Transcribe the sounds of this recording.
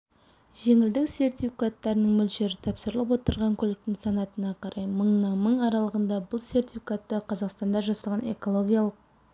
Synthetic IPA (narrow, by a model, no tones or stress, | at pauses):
ʒe̞ŋɪld̪ɪkse̞rt̪ʲifikat̪ːɑɾənəɴmʏlʃe̞ɾɪt̪ʰɑpsəɾəlˠəp̬wot̪əɾʁɑŋkʲʰɵlɪk̚t̪ɪŋsɑnɑt̪ənɑqʰɑɾʔɑjməɴnɑnməɴɑɾɑlˠəʁənd̪ɑbʊlˠse̞rt̪ʲifʲikat̪ːəqʰɑzɑqst̪ɑnd̪ɑʒɑsɑlˠʁɑne̞kolˠo̞ɡʲijɑlˠəq̚